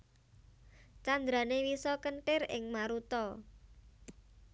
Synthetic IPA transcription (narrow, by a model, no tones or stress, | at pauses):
t͡ʃand̪ɾa̤newisɔkəɳʈɪrɪ̰ŋmaɾut̪ɔ